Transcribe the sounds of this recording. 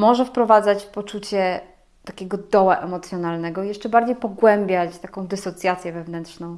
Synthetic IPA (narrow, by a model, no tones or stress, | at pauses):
mɔʐɛfpɾɔvad̪zat͡ɕpɔt͡ʂut͡ɕɛ | t̪akʲɛɡɔd̪ɔwaʔɛmɔt̪sʲjɔnalnɛɡɔijɛʂt͡ʂɛbaɾd͡ʑejpɔɡwɛmbʲjat͡ɕt̪akɔ̃w̃d̪ɘsɔt̪sʲjat̪sʲjɛvɛvnɛntʂnɔ̃w̃